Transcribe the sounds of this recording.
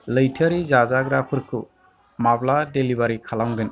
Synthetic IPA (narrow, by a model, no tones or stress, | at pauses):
lɯjtʰaɾizazaɡɾakʰɯɾkʰɯ | mabladelibaɾikʰalamɡɯn